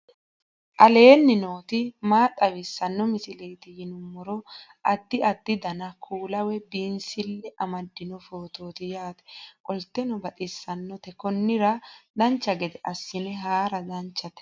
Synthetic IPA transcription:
ʔɐle̞ːnːɪnoːt̪ɪmaːt̪ʼːɐwɪsːɐnːɔmɪsɪleːt̪ɪjɪnʊmːɔɾɔʔɐd̪ːɪɐd̪ːɪd̪ɐnɐkʰuːlɐwɛbinsɪlːɛʔɐmɐd̪ːɪnɔfo̞ːt̪oːt̪ɪjaːt̪ɛ̥kʼɔlt̪ːɛnɔbɐt̪ʼɪsːɐnːɔt̪ɛkɔnːɪɾɐd̪ɐnt͡ʃːɐɡɛd̪ɛʔɐsːɪnɛɦaːɾɐd̪ɐnt͡ʃːɐt̪ɛ̥

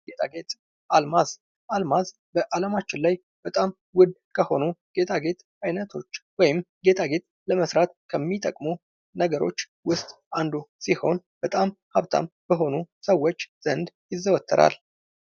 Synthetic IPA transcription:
ɡe̞t̪ʰaɡe̞t̪ | ʔalmaz | ʔalmaz | bəʔaləmat͡ʃːɪnlaj | b̥ət̪ʼam | wʊd̪kʰəho̞nuɡ̥e̞t̪ʰaɡe̞t̪ | ʔajnət̪ʰo̞t͡ʃːwɔjɪm | ɡe̞t̪ʰaɡe̞t̪̚ | ləməsɾat̪kʰəmːit̪ʰʼəkʼmu | nəɡəɾo̞̰t͡ʃː | wʊst̪ʼ | and̪usiho̞n | b̥ət̪ʼamhaβt̪ʰa̰mb̥əɦo̞nusəwːo̞t͡ʃːz̥ənd̪jɪzːəwət̪ʰːə̰ɾa̰l

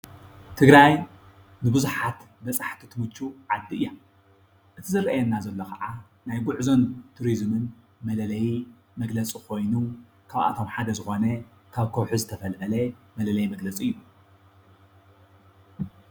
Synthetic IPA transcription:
t̪ʰɨɡɾaj | nɨbɨzuħat̪ | bɐt͡sʼaħt̪ʰit̪ʰɨmɨt͡ʃːuʕad̪ːɨʔɨjːa | ʔɨt̪ʰizɨrɐjɛnːazɐlːokʰɐ̰ʕa | najɡʊʕzo̞nt̪ʰuɾizmɨn | mɐlɐlɐj | mɐɡlɐt͡sʼikʰo̞jnu | kʰaβʔa̰t̪ʰo̞mħad̪ɐzɨxo̞nɐ | kʰaβkʰowħuzɨt̪ʰɐfɐlʕɐlɐmɐlɐlɐjmɐɡlɐt͡sʼɨjːu

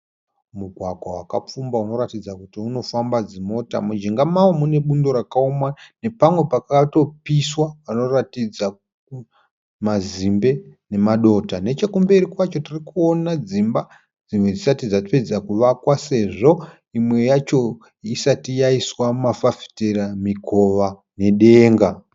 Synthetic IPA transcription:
muɡʱwaɡʱwawaka̰p͡fumbauno̞ɾatid͡zakutiuno̞fambad͡zimo̞ta̰mud͡ʒiŋɡamawomune̞ɓundo̞ɾakaomane̞pamwe̞pakato̞piswaʋano̞ratid͡za | ku | mazimbe̞ne̞maɗo̞tane̞t͡ʃekumbe̞rikwat͡ʃo̞tirikuonad͡zimba | d͡zimwed͡zisatid͡zatiped͡zakuʋakwase̞ʐo̞ | imwe̞jat͡ʃo̞ | isatijaiswamafafi̥teramikʰo̞ʋa | ne̞ɗe̞ːŋɡa

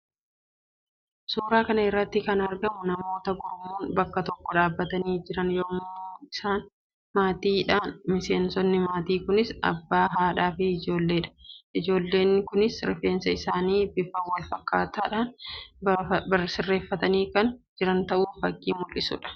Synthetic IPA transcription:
suːɾaːkɐnɐɪrːɐt̪ːɪkɐnɐɾɡɐmʊnɐmo̞ːt̪ɐɡɔɾmuːnbɐkːɐt̪ɔkːɔᶑaːbːɐt̪ɐniːd͡ʒɪɾɐnjɔmoːɪsaːn | maːt̪iːᶑaːnmɪse̞ːnsɔnːɪmaːt̪iːkʊnɪsɐ̰bːaːɦaːᶑaːfɪɪd͡ʒo̞ːlːe̞ːᶑɐ̥ʔɪd͡ʒo̞ːlːe̞ːnːɪkʊnɪsɾɪfe̞ːnsɐɪsaːniːbɪfɐwɐlfɐkːaːt̪aːᶑaːn | bɐsɪrːe̞ːfːɐt̪ɐniːkɐnd͡ʒɪɾɐnt̪ɐʔuːfɐkːḭːmʊlʔɪsʊ̰ᶑɐ̥

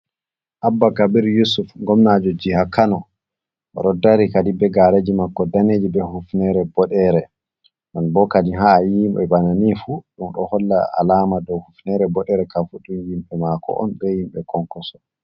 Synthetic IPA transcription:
ʔabːakabiɾjusufɡɔmnad͡ʒɔd͡ʒihakanɔ | ʔɔ̰ɾɔdaɾikadibɛɡaɾed͡ʒimakːɔdaneːd͡ʒibɛhufnɛɾɛbɔɗɛɾɛ | manbɔkadiɦajimɓɛbananifuɗumɗɔhɔlːa̰ʔa̰lamadɔwhufnɛɾɛbɔɗɛɾɛkafuɗumjimɓɛmakʰɔ̰ʔɔ̰nbɛhimɓɛkʰɔŋkɔsɔ

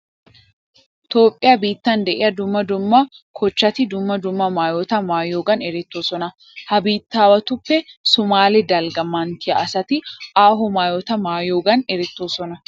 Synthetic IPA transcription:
ɪt̪oːpʼːɪjɐbiːt̪ːɐnd̪ɛʔɛɐd̪ʊmːɐd̪ʊmːɐkʰɔt͡ʃːɐt̪ɪd̪ʊmːɐd̪ʊmːɐmaːjot̪ɐmaːjoːɡɐnɛɾɛt̪ːoːsɔnɐ | hɐbiːt̪ːaːwɐt̪ʊpːɛsʊmaːlɪd̪ɐlɡɐmːaːnt̪ʰɪɐʔɐsɐt̪ɪʔaːɦɔmaːjot̪ɐmaːjoːɡɐnɛɾɛt̪ːoːsɔnɐ

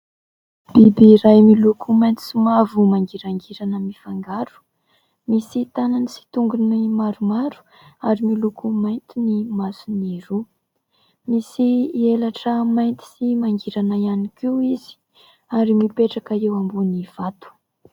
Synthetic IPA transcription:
b̥ibiːɾajmilukʰumajnt̪i̥sumavumaŋɡiɾaŋɡiɾanəmifaŋɡaɾu̥ | misit̪ananisi̥t̪uŋɡunimaɾumaɾu̥ | aɾimilukumajnt̪inimasuniɾu | misielaʈ͡ʂəmajnt̪i̥simaŋɡiɾanaianikʲiwizi̥ | aɾimipeʈ͡ʂakəewambuniv̥at̪u̥

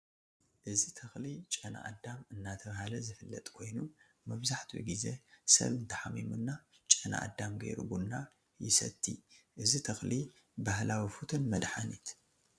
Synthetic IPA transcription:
ʔɨzit̪ʰɐxlit͡ʃʼɐna̰ʔa̰d̪ːamɨnːat̪ʰɐβahalɐzɨfɨlːɐ̰t̪ʼkʰo̞jnu | mɐβzaħt̪ʰiwɨ̰ɡize̞sɐ̰βɨnt̪ʰɐħamːimunːa | t͡ʃʼɐna̰ʔa̰d̪ːamɡɐ̰jɾṵɡunːa | jɪsɐ̰t̪ʰːḭʔɨzit̪ʰɐxli | bahlʔawifut̪ʰɨnmɐd̪ħanit̪

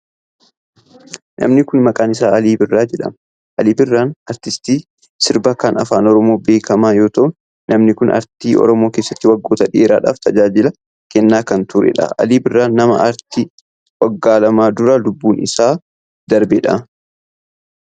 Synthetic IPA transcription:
nʔɐ̰mnɪkʊnmɐkʼaːnɪsaːɐliːbɪrːaːd͡ʒɛᶑɐ̰m | ʔɐliːbɪrːaːnɐɾt̪ɪst̪iː | sɪɾbakɐnɐfaːnɔɾɔmo̞ːbe̞ːkʰɐmaːjo̞ːt̪ɐʔʊn | nɐmnɪkʊnʔɐ̰ɾt̪iːʔɔ̰ɾɔmo̞ːkeːsːɐ̥t̪ːɪwɐɡːo̞ːt̪ɐᶑɪʔeːɾa̰ːᶑa̰ːft̪ɐd͡ʒaːd͡ʒɪlɐ | kɛnːaːkɐnt̪ʊɾɛ̰ᶑɐ̰ʔɐ̰liːbɪrːaːnːɐmɐ̰ʔɐɾt̪i | wɐɡːaːlɐmaːd̪ʊɾɐlʊbːuːnʔɪ̰saː | d̪̥ɐɾbɛᶑɐ̰

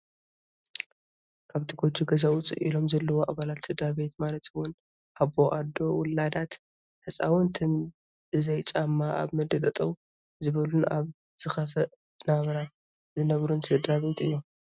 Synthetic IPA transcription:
kʰaβt̪ʰiɡod͡ʒuɡɐzawut͡sʼɨ̰ʔḭlo̞mzɐlːɐwoʔaβalat̪sɨd̪ɾabe̞t̪malɐt̪wʊn | ʔaβoʔad̪ːo̞wʊlad̪at̪ | hɨsʼa̰wʊnt̪ʰɨm | ɨzɐjt͡sʼamːaʔa̰βmɨd̪ɨt̪ʼɐt̪ʼɐw | zɨβɐluna̰β | z̥ɨxɐfɐ | naβɐɾat̪ | zɨnɐβɾunsɨd̪ɾaβe̞t̪ɨjːom

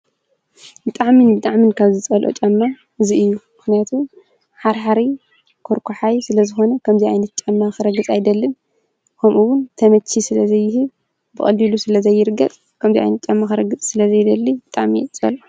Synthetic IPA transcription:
bɨt̪ʼaʕminɨbɨt̪ʼaʕminkʰaβzɨt͡sʼɐlʔo̰t͡ʃʼɐmːa | ɨziɨjːumɨxnijat̪ʰum | ħaɾħaɾi | kʰoɾkʰoħajsɨlɐzɨxo̞nɐkʰɐmziajnɐt̪̚t͡ʃʼɐmːaxɨɾɐɡɨt͡sʼajd̪ɐlːɨn | kʰɐmʔuwʊnt̪ʰɐmɐt͡ʃʰːisɨlɐzɐjːɪhɨβ | bɨχʼɐ̰lːilusɨlɐzɐjːɪɾɨɡɐt͡sʼ | kʰɐmziʔa̰jnɐt̪̚t͡ʃʼɐmːaxɨɾɐɡɨt͡sʼsɨlɐzɐjd̪ɐlːib̥ɨt̪ʼaʕmḭt͡sʼɐ̰lo

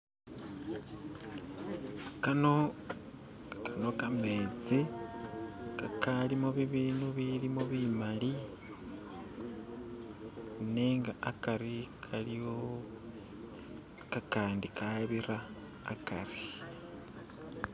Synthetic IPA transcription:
kano | kano̞kame̞t͡si | kakalimoβiβiːnuβilimoβimali | neːŋɡaʔakaɾikʰalio | kakaːndikaβiɾaː | kari

